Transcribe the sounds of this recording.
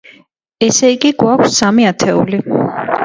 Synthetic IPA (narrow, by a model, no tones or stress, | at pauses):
ɛsɛiɡiɡwakʰsːamiat̪ʰɛṵli